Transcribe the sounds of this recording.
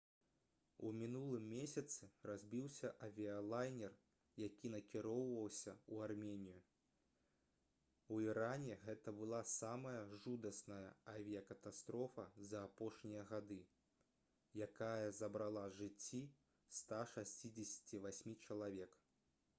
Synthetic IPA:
umʲinulˠɨmːʲesʲɐt̪sɨrazʲbʲiwsʲɐʔɐvʲiɐlˠajnʲɛr | jakʲin̪ɐkʲiɾɔwvɐwsʲɐuarmʲenʲiju | wiɾanʲɛɣɛt̪ɐbɨlˠasamɐjɐʐud̪ɐsnɐjɐ̰ɐvʲijɐkɐt̪ast̪ɾɔfɐzɐːpɔʂnʲijɐɣad̪ɨ | jakajɐzɐbɾalˠaʐɨt͡sʲːi | st̪aʂasʲt͡sʲid͡zʲɪsʲt͡sʲivasʲmʲit͡ʂɐlˠavʲɛk

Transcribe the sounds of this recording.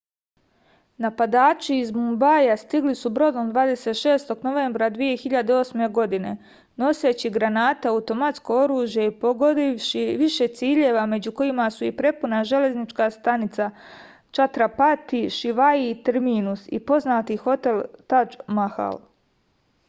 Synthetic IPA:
napad̪aːt͡ʃiːzmumbajast̪iɡlisubɾo̞d̪omd̪ʋaːd̪e̞se̞t̪ʃe̞ːst̪o̞ɡno̞ʋe̞mbɾad̪ʋije̞xiʎad̪eo̞sme̞ɡo̞d̪ine̞ | no̞se̞t͡ɕiɡɾanaːt̪aaut̪o̞mat̪sko̞o̞ɾuːʒjeipoɡod̪iʃiʋiʃe̞t̪siːʎe̞ʋame̞d͡ʑuko̞jimasuipɾe̞punaʒe̞le̞znit͡ʃkast̪anit̪sa | t͡ʃat̪ɾapat̪iʃiʋaiːt̪eɾmiːnusḭpo̞znaːt̪ixo̞t̪e̞lt̪ad͡ʒmaha̰l

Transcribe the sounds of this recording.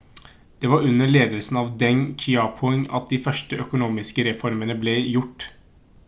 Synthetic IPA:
d̪̥ɛʋɑɾʉnːəɭeːd̪əlsn̩ɑʋd̪ɛŋkʰʏɑpʰʊɛŋɑ̰t̪̚d̪ifœʂʈəʔœkʊnuːmɪskəɾɛfɔɾmənəblɛjʊʈː

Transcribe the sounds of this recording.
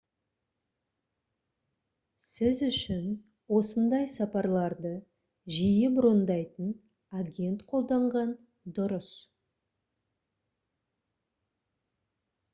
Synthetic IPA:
sɪzʏʃɪn | wo̞sənd̪ɑjsɑpɑɾlˠɑɾd̪ə | ʒijɪbʊɾond̪ɑjt̪ən | aɡʲe̞nt̪qʰo̞lˠd̪ɑɴʁɑn | d̪ʊɾəs

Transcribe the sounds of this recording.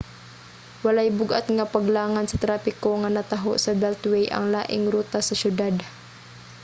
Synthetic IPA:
walajbʊɡʔa̰t̪̚ŋapaɡlaːŋansɐt̪ɾaːpɪkoŋanɐt̪aɦo̰ʔsɐbɛlt̪wɛjʔɐ̰ŋlaːʔɪŋɾuːt̪asɐʃjʊd̪ad̪

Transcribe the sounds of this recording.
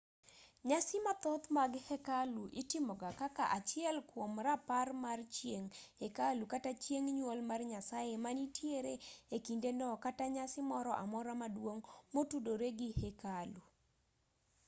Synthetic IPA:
ɲasɪmat̪ɔt̪maɡhɛkaluʔɪtɪmɔɡakaka̰ʔat͡ʃɪɛlkwomraparmart͡ʃjeŋhekalukatat͡ʃjeŋɲwolmarɲasajemanitjeɾeekindenɔkataɲasɪmɔɾɔʔa̰mɔɾamadwoŋmotudoɾeɡɪhɛkalu

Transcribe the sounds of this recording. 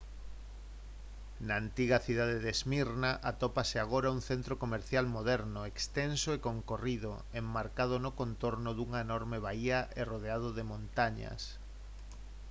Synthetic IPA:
naːnt̪iɣɐθiðaðeðezmiɾnaʔat̪opaseaɣ̞oɾauŋθent̪ɾokomeɾθjalmoðɛɾnoekst̪ensoekoŋkoriðo̰ | emːaɾkað̞onokont̪oɾnʊðuŋaenɔɾmeβaiɐʔeroðeað̞oðemõnt̪aɲɐ̰s

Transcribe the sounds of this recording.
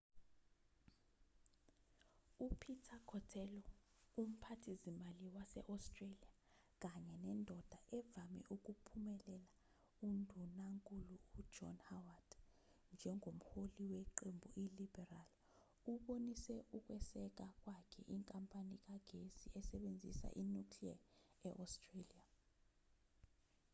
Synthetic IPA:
upʰitʰakʰɔtʰɛlɔum̩pʰatʰizimaliwasɛ̰ʔastʼrelia | k̬aɲɛnɛndʱɔd̥ʱaʔɛvamɛ̰ʔuk̬ʼupʰumɛlɛla | undʱunaŋkʼuluud͡ʒɔ̰nhawad̥ | nd͡ʒʱɛŋʱom̩holiweǃembʱuʔilibɛral | uɓonisɛuk̬ʼwɛsɛk̬ak̬ʼwakʰɛʔiŋkʼampʼanik̬aɡ̥ʱesiɛsɛɓend͡zʱḭsa̰ʔinukʰlia̰ɛʔɔstʼrelia

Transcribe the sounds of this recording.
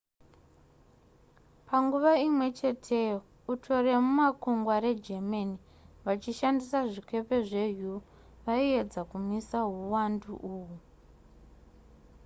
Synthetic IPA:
paŋɡuʋaimwe̞t͡ʃe̞tʰe | utʰo̞re̞mumakuŋɡwaɾe̞d͡ʒemani | ʋat͡ʃiʃandisaʐike̞pe̞ʐe̞ɦu | ʋaie̞d͡zakumisaɦuwandṵʔuwu

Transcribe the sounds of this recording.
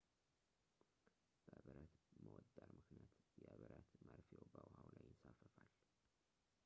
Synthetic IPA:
b̥əβəɾət̪məwɔt̪ʼːaɾmɨknijat̪jɛʔəβəɾət̪məɾfobəwhawlajɪnsafəfal

